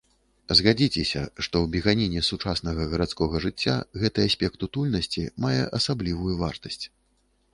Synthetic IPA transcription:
zɣad͡zʲit͡sʲɛsʲɐ̰ʂt̪ɔwbʲiɣanʲinʲɛsut͡ʂasnɐɣɐɣɐɾat̪skɔɣɐʐɨt͡sʲːa̰ɣɛt̪ɐasʲpʲɛkt̪ut̪ulʲnɐsʲt͡sʲimajɛ̰ʔɐsablʲivujuvart̪ɐsʲt͡sʲ

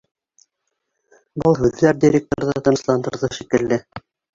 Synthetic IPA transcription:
bɤlˠɦʉðːæɾd̪ʲiɾʲek̚t̪oɾðɑt̪ɤ̆nɤ̆slˠɑnd̪ɤ̰̆ɾðɤʃikɘ̆lːɘ

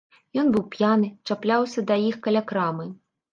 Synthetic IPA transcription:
jɔnbɨwpjanɨt͡ʂaplʲawsʲɐd̪ɐjixkɐlʲakɾamɨ

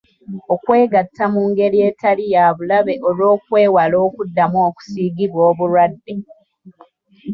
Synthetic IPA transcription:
o̞kwe̞ːɡatːamuːŋɡe̞ɾie̞talijaːβulaβe̞ʔolo̞ːkwe̞ːwalo̞ːkudːamwoːku̥siːɡiβwoːβuɾwadːe̞

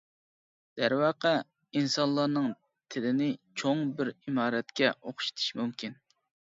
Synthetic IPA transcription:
d̪̥æɾwɑːqʰə | insɑnlˠɑɾnɨŋ | t̪ʰɪlɪnɪt͡ʃʰoŋbɪɾimɑːɾɛt̪kʲɛʔoχʃi̥t̪ʰi̥ʃmumkʲʰin

